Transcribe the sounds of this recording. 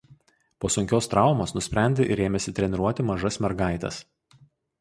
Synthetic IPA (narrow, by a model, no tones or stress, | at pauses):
poːsʊŋʲkʲoːst̪ɾɑˑʊmoːsnʊsʲpʲɾʲæˑnʲd̪ʲeʔɪɾeːmʲɛsʲɪt̪ʲɾʲɛnʲɪɾuɔt̪ʲɪmɐʒɐsmʲɛɾɡɑˑɪt̪ʲɛ̰s